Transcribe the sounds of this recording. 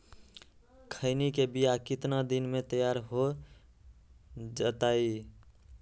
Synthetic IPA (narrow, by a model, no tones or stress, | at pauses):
kʰəɪnikebijakɪt̪nad̪inmet̪əjaɾɦo | d͡ʒət̪ai